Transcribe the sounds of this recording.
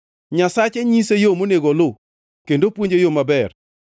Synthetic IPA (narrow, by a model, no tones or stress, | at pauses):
ɲasat͡ʃɛɲisejomoneɡɔlʊ | kendopwoɲd͡ʒejomabɛr